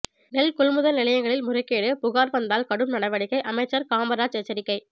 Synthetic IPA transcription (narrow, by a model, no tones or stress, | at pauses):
nɛlkʊlmɯðɐlnɪlɐjɐŋɡɐɭɪlmʊɾɐɪkːeːɽɯpʊɣaːɾʋɐnd̪aːlkɐɽɯmnɐɽɐɪʋɐɽɪkːɐɪʔɐmɐɪt͡ʃːɐɾkaːmbɐɾaːt͡ʃɛt͡ʃːɐɾɪkːɐɪ